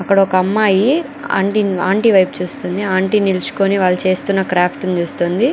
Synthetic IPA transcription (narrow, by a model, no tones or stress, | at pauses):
ɐkːɐɽɐɔkɐɐmːaːji | a̰ːɳʈiaːɳʈiːʋɐjp̚t͡ʃuːst̪und̪iaːɳʈiːnilt͡ʃu̥koniʋaːɭːɐt͡ʃe̞ːst̪unːɐkɾaːpʰʈnit͡ʃuːst̪und̪i